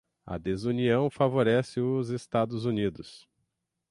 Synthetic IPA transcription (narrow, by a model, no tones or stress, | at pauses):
ɐ̰d̪ezuniɐ̃w̃favoɾɛsɪʊzest̪ad̪ʊzunid̪ʊs